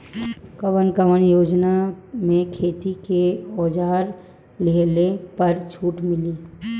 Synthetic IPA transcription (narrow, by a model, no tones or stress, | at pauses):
kəʋənkəʋənjoːd͡ʒnamẽkʰeːt̪ikeɔːd͡ʒaːɾ | leɦlepɐɾt͡ʃʰuːʈmɪliː